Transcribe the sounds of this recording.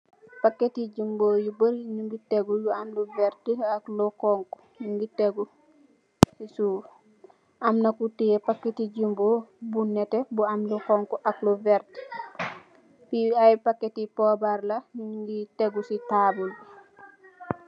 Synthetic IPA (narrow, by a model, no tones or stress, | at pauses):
pakːetiɟimbojubəɾɲuŋɡiteɡujuamluvɛɾtiaklɔkɔŋku̥ | nuŋɡiteɡu | sisu | ʔamnakutiepakːetiɟimbobunːɛtebuamlukɔŋkuʔakluvɛɾti̥ | piajpakːetipɔbaɾlaniɡiteɡusitabulbi